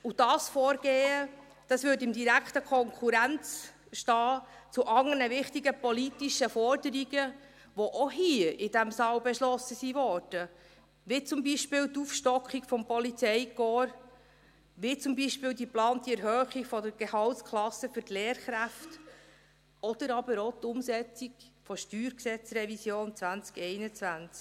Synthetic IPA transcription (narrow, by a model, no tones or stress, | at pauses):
ud̥ɑːsfɔːɾɡ̥eːə | d̥ɑsʋʏːtɪmdiɾækχtəkʰɔŋkʰuɾænt͡s | ʃtɑːt͡suʔɑŋənəʋɪχt̪iɡəpɔlitiʃəfɔɾdəɾiɡə | ʋɔʔoɦiʔɪd̥æmsɑːwbɛʃlɔsəsiʋɔːɾd̥ə | ʋɪt͡sʊmbiʃpɪːwt̪ufʃtɔkχiɡfɔmpɔlit͡sɛɪkɔːɾ | ʋit͡sʊmbiʃpɪːld̪iplɑːnt̪iɛɾɦœːχiɡfɔdəɾɡ̥ehɑltskʰlɑsəfytlɛːɾχɾæft | ɔd̥̪əɾɑbəɾot̪ʊmsɛt͡siɡfɔʃtyːɾksɛt͡srɛvisjoːnt͡svænt͡skɛɪnət͡svænt͡sk